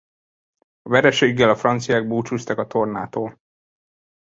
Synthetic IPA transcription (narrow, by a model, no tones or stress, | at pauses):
ɒvɛɾɛʃeːɡːɛlɒfrɒnt̪sijaːɡ̚buːt͡ʃuːst̪ɒkɒt̪o̞rna̰ːt̪oːl